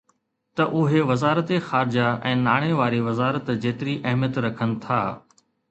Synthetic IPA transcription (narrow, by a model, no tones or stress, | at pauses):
t̪ɐʔʊɦeʋɐzaːɾət̪exaːɾd͡ʑaɛ̃ːnaːɽ̃eʋaːɾiʋɐzaːɾət̪d͡ʑeːt̪ɪɾiʔɐɦmjət̪ɾɐkʰənɪ̆t̪ʰaː